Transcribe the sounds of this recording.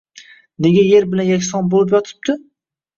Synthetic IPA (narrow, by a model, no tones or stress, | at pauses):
neɡʲajeɾbɪlanjakʲsɒnbolˠɪp̬jɒt̪ʰɪ̥p̚t̪ɪ